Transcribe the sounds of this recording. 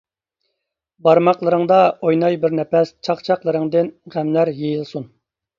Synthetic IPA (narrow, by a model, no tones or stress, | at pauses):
bɑɾmɑqlˠəɾɨŋd̪ɑojnɑjbɪɾnɛpɛst͡ʃʰɑqt͡ʃʰɑqlˠəɾɨŋd̪ɪnʁæmlæɾjejilˠsun